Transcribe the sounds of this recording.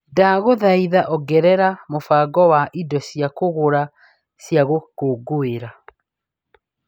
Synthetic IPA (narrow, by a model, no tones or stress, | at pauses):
daɣoðaiðaʔɔɡɛɾɛɾamofaːɡɔwaʔidɔsijakoɣoɾa | sjaɣokoɡoeɾa